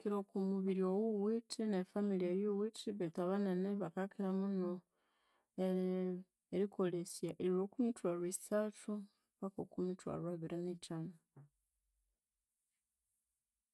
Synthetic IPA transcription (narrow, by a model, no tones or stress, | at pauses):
kiɾokumuβiɾiowuwitʰinefamilieɾjowitʰiβetaβaneneβakakiɾamuno | e | eɾikʰo̞lesjaʔeɾiɾokumitwaɾisatu | βako̰kumitwa̰ɾwaβiɾenit͡ʃana